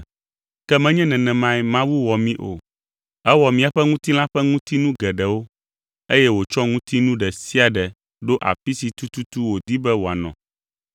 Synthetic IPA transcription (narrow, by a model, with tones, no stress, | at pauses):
kɛ˦mɛ̃˦ɲɛ̃˦nɛ̃˨nɛ̃˨mã˦ɛ˦mã˦wu˦wɔ˨mĩ˦ʔo̰˨ | ɛ˦wɔ˨mĩ˦a˨ɸɛ˦ŋũ˦t̪i˦l̃ã˦ɸɛ˦ŋũ˦t̪i˦nũ˦ɡɛ˨ɖɛ˨wo˦ | e˦jɛ˦wo˨t͡ʃɔ˦ŋũ˦t̪i˦nũ˦ɖɛ˨si˦a˨ɖɛ˨ | ɖo˦ʔa̰˨fi˦si˨t̪u˦t̪u˦t̪u˦wo˨d̪i˦bɛ˦wo˨a˨nɔ̰̃˨